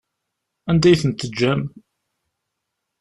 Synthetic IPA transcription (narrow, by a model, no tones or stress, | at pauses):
ænd̪æjθənt̪ːəd͡ʒːæm